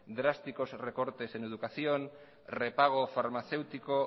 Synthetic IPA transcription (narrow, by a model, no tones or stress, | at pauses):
d̪ɾast̪iko̞zreko̞ɾt̪e̞se̞ne̞ðukaθio̞n | re̞paɣ̞o̞faɾmaθe̞wt̪iko̞